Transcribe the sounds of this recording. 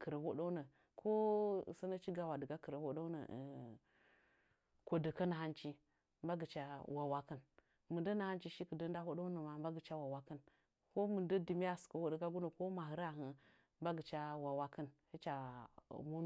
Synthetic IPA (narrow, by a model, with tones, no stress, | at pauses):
kə˨ɾə˨ho˦ɗo˦nə˨ | kʰo˦˨sə˦na˦t͡ʃi˦ɡa˨wa˨də˨ɡa˦kə˨ɾə˨ho˦ɗo˦nə̰˨ | kʷo˨də˨kə˦na˨ha˦nt͡ʃi˦ | mba˦ɡə˨t͡ʃa˨wa˨wa˦kə˦n | mɨ˨ndə˦na˨ha˦nt͡ʃi˦ʃi˦kə˨də˦n˦da˦ho˦ɗo˦nə˨ma˨mba˦ɡə˨t͡ʃa˦wa˨wa˨˦kə˦n | ko˦mɨ˨ndə˦di˨mi˦ja˦˨skə˨wo˨də˦ka˦ɡu˦nə˨ko˦ma˨ɦɨ˦ɾa˦˨ɦə˨ | mba˦ɡə˨t͡ʃa˦wa˨wa˦kə˦nhi˦t͡ʃa˨mo˦n˦